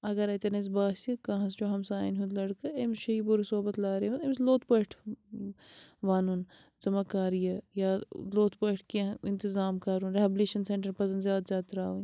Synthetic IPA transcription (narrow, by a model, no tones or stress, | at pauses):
ɐɡɐɾɐt̪ɐnɐs̬baːst̪ikɐ̃ːɦɐsd͡ʒoːɦɐmsaːinɦũnd̪lɐɽkɐemʃɐibuɾsoːbɐt̪laːɾeʋunemsloːt̪pɐʈʰ | ʋaːnun | zɐmɐkaːɾijɐjaːloːt̪pɐʈʰkiɪnt̪ɪzaːmkɐɾunɾeɐbleːʃɐnseɳʈɐɾpɐsɐnd̪zʲjaːd̪zʲaːt̪ɾaːun